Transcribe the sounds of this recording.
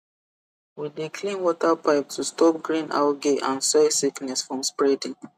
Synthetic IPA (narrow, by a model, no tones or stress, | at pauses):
widikʰlĩnwɔtapʰaɪp̚tʰustʰɔp̚ɡɹĩna̰ʊɡeʔãnsasiknɛsfɹɔ̃mspɹɛdĩŋ